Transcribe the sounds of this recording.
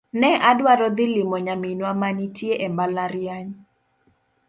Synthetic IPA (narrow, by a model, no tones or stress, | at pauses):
nɛʔadwaɾɔd̪ɪlɪmɔɲaminwamanitjeʔɛmbalaɾjaɲ